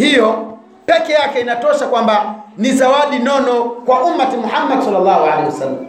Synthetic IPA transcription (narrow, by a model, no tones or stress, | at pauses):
hijɔ | pɛkɛjakɛinatɔʃakwambanizawaɗinɔnɔkwaʔumːatimuhamːadsalːalːahualeiwasalːam